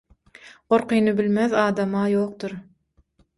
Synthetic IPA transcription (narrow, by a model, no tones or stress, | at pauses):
ɢoɾqʰɯjnɯbilmeðɑːd̪ɑmɑjoːq̚t̪uɾ